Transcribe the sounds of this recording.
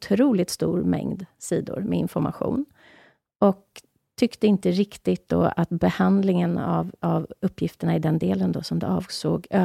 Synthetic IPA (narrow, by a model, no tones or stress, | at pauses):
t̪ʰɾuːlɪt̪st̪ṵːɾmɛ̰ŋd̪siːd̪ʊ̰ɾmɛɪnfɔɾma̰ɧṵːn | ɔk̚ | t̪ʰʏkt̪əɪnt̪əɾɪkt̪ɪt̪̚d̪o̰ːat̪bɛhand̪lɪŋənavavɵpːjɪft̪əɳaɪd̪ɛnd̪eːlənd̪ɔsɔmd̪ɛɑːvsoːɡøː